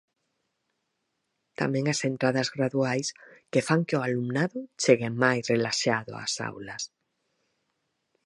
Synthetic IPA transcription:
t̪a̰mjẽ̞ŋasent̪ɾaðazɣɾaðuajskefaŋkeoalumnaðot͡ʃeɣemajsrelaʃaðo̰a̰sa̰wlas

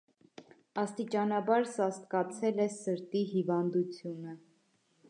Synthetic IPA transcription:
ɑst̪it͡ʃɑnɑbɑɾsɑst̪̚kɑt͡sʰɛlɛsəɾt̪iɦivɑnd̪ut͡sʰjunə

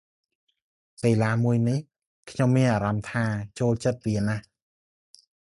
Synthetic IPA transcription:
ppeːlaːmuəjnih | kʰɲomːiənʔaːɾɑmt̪ʰaːt͡ɕoːlt͡ɕət̪̚riənah

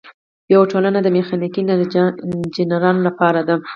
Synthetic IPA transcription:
jawaʈolanad̪əmexɑnikin | d͡ʒɪnaɾɑnolapɑɾad̪a

